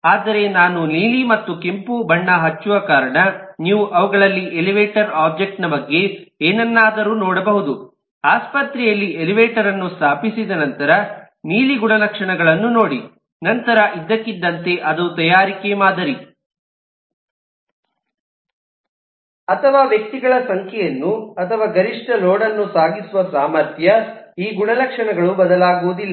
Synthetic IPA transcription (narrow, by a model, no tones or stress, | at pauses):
aːd̪ɐɾe̞naːnuniːlimɐt̪ːukempubɐɳːɐɦɐt͡ʃːuʋɐkaːɾɐɳɐniːʋuʔɐʋɐɡɐɭɐlːiʔeliʋeːʈɐɾaːb̚d͡ʒek̚ʈnɐbɐɡːe̞eːnɐnːaːd̪ɐɾuːnɔːɽɐbɐɦud̪u | aːspɐt̪ɾɛjɐlːieliʋeːʈɐɾɐnːust̪aːpisid̪ɐnɐnt̪ɐɾɐ | niːliɡuɳɐlɐkʂɐɳɐɡɐɭɐnːunoːɽi | nɐnt̪ɐɾɐʔid̪ːɐkːid̪ːɐnt̪e̞ʔɐd̪ut̪ɐjaːɾikemaːd̪ɐɾi | ɐt̪ʰɐʋaːʋjɐk̚t̪iɡɐɭɐsɐŋkʰɛjɐnːuɐt̪ʰɐʋaːɡɐɾiʂʈɐloːɽɐnːusaːɡisuʋɐsaːmɐɾt̪ʰjɐiːɡuɳɐlɐkʂɐɳɐɡɐɭubɐd̪ɐlaːɡuːud̪ilːɐ